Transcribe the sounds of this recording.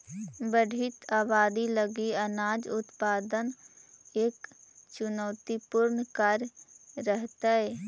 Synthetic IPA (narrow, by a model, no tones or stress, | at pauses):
bəɖʱit̪ʰaːbaːd̪iləɡiənaːd͡ʒʊt̪paːd̪əneːkt͡ʃʊnɔːt̪ipʊɾnkaɾɾəɦt̪aɦɛː